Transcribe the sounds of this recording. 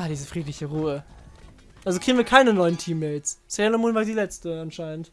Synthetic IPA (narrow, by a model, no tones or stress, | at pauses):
aːdiːzəfʁ̥iːtlɪçəʁuːə | ʔalzokʁiɡŋ̩viɐkʰaɪnənɔʏəntʰiːmːɛɪlssɛlomuːnvaːdiːlɛt͡stəanʃaɪnənt